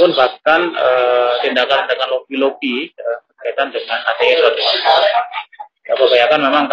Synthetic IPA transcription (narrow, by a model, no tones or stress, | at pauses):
pʊnbakanət̪indakant̪indakanlokilokiəkəkait̪andəŋanat̪eɛnlot̪ | abəbajakanmemaŋk